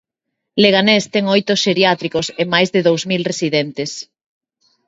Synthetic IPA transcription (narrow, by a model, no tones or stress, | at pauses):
leɣanest̪ɛŋojt̪oʃeɾjat̪ɾikosemajzðeðowzmilresiðɛnt̪ɪs